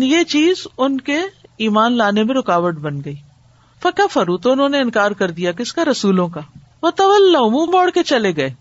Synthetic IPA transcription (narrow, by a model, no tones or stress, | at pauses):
njet͡ʃiːzʊnkeiːmaːnlaːnemẽɾʊkaːʋəʈ̚bɐnɡɐiː | fɐkafɐɾut̪oʊnɦõːneɪnkaːɾkɐɾd̪ijakɪskaɾɐsuːlõkaː | ʋot̪ɐʋɐlːaʊmũːmɔːɽket͡ʃɐleɡɐeː